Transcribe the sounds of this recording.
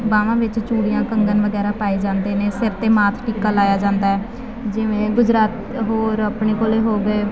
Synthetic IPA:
baːʋãːʋɪt͡ʃt͡ʃuːɽijãːkəŋɡənʋəɡɛːɾaːpaːiːd͡ʒãːnd̪eːneːsɪɾt̪eːmaːt̪ʰʈiːkaːlaːjaːd͡ʒãːnd̪aːɛː | d͡ʒɪʋẽːɡʊd͡ʒɾaːt̪ | ɦoːɾəpɳeːkoːleːɦoːɡeː

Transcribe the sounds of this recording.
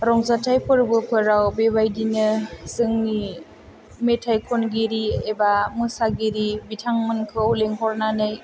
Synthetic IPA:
ɾɔŋzatʰajpʰɯɾbɯkʰɯɾawbebajdinɯsɯŋni | metʰajkʰɔnɡiɾiebamɯsaɡiɾibitʰaŋmɯnkʰɯwleŋɦɔɾnanɯj

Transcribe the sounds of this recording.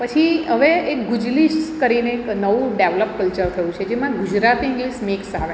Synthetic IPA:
pət͡ʃʰiɦəʋeek̚ɡud͡ʒliskəɾineːknəʋũɖeʋləp̚kəlt͡ʃəɾt̪ʰəjũt͡ʃʰed͡ʒemãɡud͡ʒɾat̪iɪ̃ŋɡlismeksa̰ʋe

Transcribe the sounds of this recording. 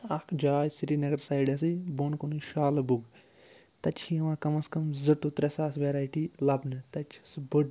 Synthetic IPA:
ɐkʰd͡ʒaːjsiɾinɐɡɐɾsaːjiɖɐs̬ɨbonkoniʃaːlɐbuɡ | t̪ɐt͡ʃʰiɐʋãːkɐmɐskɐmzɐʈut̪ɾʲɐsaːsʋeɾaːjʈilɐbnɨt̪ɐt͡ʃʰɐ̥sbɨɖ

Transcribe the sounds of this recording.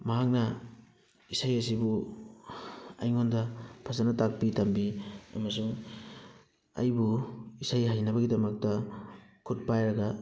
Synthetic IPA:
mɐɦak̚nɐ | isajɐsibu | ɐa̰jŋondɐpʰasanɐtak̚pitɐmbiɐ̰mɐsuŋ | ɐ̰jbuisajɦajnɐbɐɡidɐmɐk̚tɐkʰut̚pajɾɐɡɐ

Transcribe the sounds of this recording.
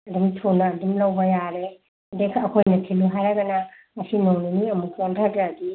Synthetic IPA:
ɐdumtʰonɐːdumlɐwbɐjaɾe | dekʰɐkʰojnɐtʰiluɦajɾaɡɐnɐ | ɐsinoŋniniɐmukʰontʰadɾaːdi

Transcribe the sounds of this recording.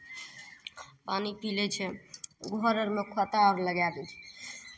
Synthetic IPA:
panipilɛt͡ʃʰɛɡʱɔɾəɾmekʰət̪aɾləɡab̪ɛt͡ʃʰɛ̥

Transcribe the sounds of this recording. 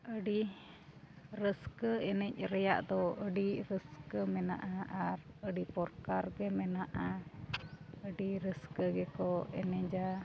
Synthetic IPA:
əɖi | ɾəskəɛnɛc̚ˀɾɛja̰ʔd̪ɔəɖiɾəskəmɛna̰ʔaaɾəɖipɔɾkaɾɡɛmɛnaʔa | əɖiɾəskəɡɛkɔɛ̰nɛɲd͡ʒa

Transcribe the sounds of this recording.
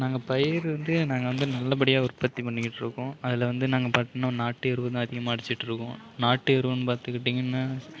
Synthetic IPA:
naːŋɡɐpɐjɪɾʋɐnd̪ɯnaːŋɡɐʋɐnd̪ɯnɐlːɐp̬ɐɽɪjaːʊɾpɐt̪ːipɐɳːɪkɪʈːɯɾɯkːʊ̃ɐðɪlɐʋɐnd̪ɯnaːŋɡɐpaːɾt̪ːeːnːaːnaːʈːɯɛɾɯʋɐt̪ãːɐðɪɣɐmaːɪɽɪt͡ʃːɪʈːɯɾɯkːʊ̰̃ | naːʈːɯɛɾɯʋɐ̃nːɯpaːɾt̪ɯkːɪʈːiŋɡɐnːaː

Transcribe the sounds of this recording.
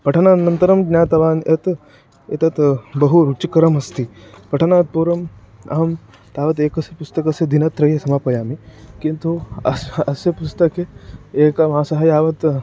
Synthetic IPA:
pɐʈʰɐnaːnɐnt̪ɐɾɐmɡnaːt̪ɐʋaːnʔɐt̪ | ḛt̪ɐt̪bɐɦuɾut͡ʃikɐɾɐmɐst̪ipɐʈʰɐnaːt̪̚puːɾɐm | ɐ̰ɦɐm | t̪aːʋɐt̪eːkɐsepust̪ɐkɐsɐd̪inɐt̪ːɾɐjɐsʰɐmaːpɐjaːmikint̪uɐ̰sɐsɐpust̪ɐkeeːkɐʋãːsɐɦɐjaːʋɐt̪

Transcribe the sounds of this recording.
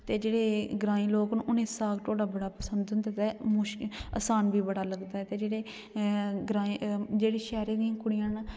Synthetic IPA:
t̪eːd͡ʒeːɽeːɡɾãːĩːloːknːʔʊnẽːsaːɡʈʰoːɽaːbəɽaːpəsənd̪ʊnd̪et̪ɛmʊʃə̰saːnʋiːbəɽaːləɡd̪aːɦɛːt̪eːd͡ʒeːɽeː | ɡɾaːid͡ʒeːɽeːʃɛːɾeːd̪ijãːkʊɽɪjãːn

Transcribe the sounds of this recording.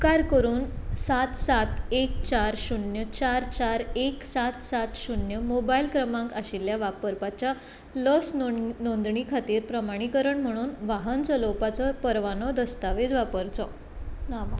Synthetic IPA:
kaɾkəɾuːnsat̪sat̪ek̚t͡ɕaɾɕunjət͡ɕaɾt͡ɕaɾeksat̪sat̪ɕunjəmobailkɾəmãŋkaɕiljaʋapəɾpat͡ɕja | lɔsnõnd̪ɳikʰat̪iːɾpɾəmaɽ̃ikəɾəɳm̤əɽ̃uːnʋaɦənt͡sɔlopat͡sɔpəɾʋanɔd̪əst̪aʋed͡zʋapəɾt͡sɔ | nam

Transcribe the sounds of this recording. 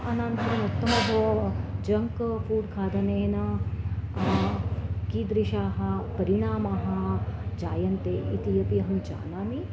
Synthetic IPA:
ɐnɐnt̪ɐnut̪ːɐmɐbʱɐʋɐd͡ʒɐŋkfuːɖkʰaːd̪ɐneːnɐ | kiːd̪ɾiʃaːɦɐ̆pɐɾiɳaːmaːɦɐ̆d͡ʒaːjɐnt̪eːʔḭt̪ijɐpiɐɦɐnt͡ʃa̰ːnaːmi

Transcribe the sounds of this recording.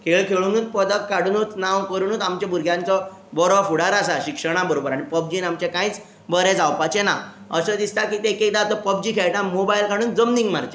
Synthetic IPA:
kʰeɭkʰeɭunuːt̪̚pəd̪əkkaɽ̤unut̪nãwkəɾunuːt̪amt͡ɕabʱuɾɡʱjãnt͡sɔ | bɔɾafuɽ̤aɾasaɕikʂəɽ̃abəɾobəɾaɽ̃ipəb̚d͡ʑiːnamt͡ɕekãĩt͡s | bəɾɛd͡zawpat͡ɕena | əsəd̪ist̪akit̪ekek̚d̪at̪apəb̚d͡ʑikʰeɭʈ̪ãmobailkaɽ̤uːnd͡zəmniŋɡmaɾt͡ɕe

